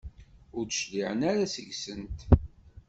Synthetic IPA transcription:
ʊɾd̪ʃliʕənaɾasəʝsənt̪

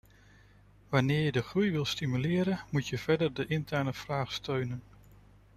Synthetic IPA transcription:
ʋɑnɪːɹjədəχrujʋɪlˠstimylɪːɾənmutjəv̥ɛɹdəɹdəʔɪntɛɹnəv̥raːχstøɥnən

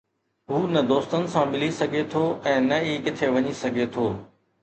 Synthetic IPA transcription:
ɦuːnɐd̪oːst̪ənɪ̆sãmɪlisɐɡʱet̪ʰoːɛ̃ːnɐiːkɪt̪ʰeʋɐɲisɐɡʱet̪ʰoː

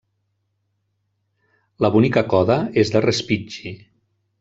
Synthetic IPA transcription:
ləβunikəkɔðəezðərespid͡ʒi

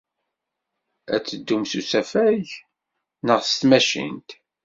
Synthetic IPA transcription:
æ̰t͡sːəd̪ːumsusæfæʝ | nəʁst̪mæʃḭnt̪

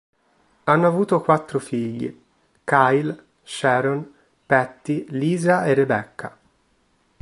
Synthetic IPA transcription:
anːoavuːt̪okwat̪ːɾofiʎːḭ | kajl | ʃɛːɾon | pɛt̪ːiliːzaerːebɛkːa̰

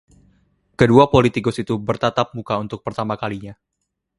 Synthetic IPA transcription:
kəduapolit̪ikʊsit̪ubərt̪at̪ap̚mukaunt̪ʊk̚pərt̪amakaliɲa

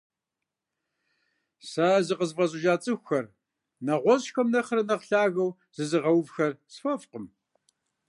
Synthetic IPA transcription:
saːzɨqəzvɐzʼɪʒaːt͡sʼɨxʷxɐr | nɐʁʷɔzxɐmnɐχəɾɐnɐqɬaːɣɐw | z̥ɨzɨʁɐwvxɐrsfɐfqəm

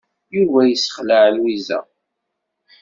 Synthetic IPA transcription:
juvæjəsə̥χlaʕlwizæ̰

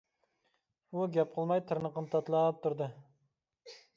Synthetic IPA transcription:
uɡʲɛp̚qʰəlˠmɑjt̪ʰɨɾnəqənɨt̪ʰɑt̪lˠɑːp̚t̪ʰuɾd̪ɨ

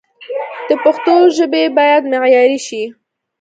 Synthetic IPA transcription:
d̪̥əpaxt̪oʒəbebɑjad̪mɪɣjɑɾiʃi

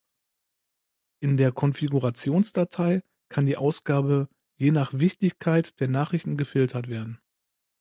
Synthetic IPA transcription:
ʔɪndeːɐkʰɔnfiɡuʁat͡sjoːnsd̥atʰaɪ | kʰandiːʔaʊsɡ̥aːbə | jeːnaːχv̥ɪçtɪçkʰaɪtd̥eːɐnaːχʁ̥ɪçtn̩ɡəfɪltʰɐtv̥eːɐdn̩

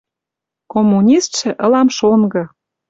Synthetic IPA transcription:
komːunʲist̪ʃĕʔɤ̆lɑmʃonɡɤ̆

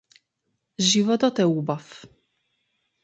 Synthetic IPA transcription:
ʑivɔd̪ɔt̪ɛubaf

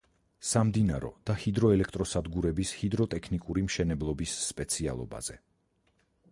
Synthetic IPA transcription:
samd̪inaɾɔ̰d̪̥ahid̪ɾɔɛlɛkʰt̪ʼɾɔsad̪ɡuɾɛbishid̪ɾɔt̪ʼɛkʰnikʼuɾimʃɛnɛblˠɔbisːpʼɛt̪sʰia̰lˠɔ̰ba̰z̥ɛ

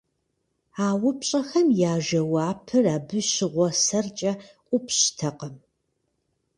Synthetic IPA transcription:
aːwʊpɕʼɐxɐmjaːʒɐwaːpʰɨraːbɨʃɪʁʷɔsɐrt͡ʃʼɐʔʷʼʊpʰɕtʰɐqɐm

